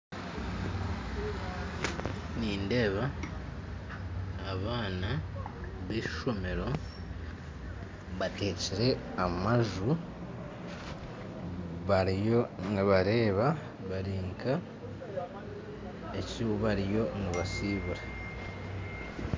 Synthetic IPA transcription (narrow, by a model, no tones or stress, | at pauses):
niːnde̞ːβa | βaːna | βiːʃo̞me̞ɾo̞ | βate̞ːciɾe̞ | amaʒu | βaɾijo̞niβaɾe̞ːβa | βaɾiːŋkʰa | e̞ciuβaɾijo̞niβasiːβuɾa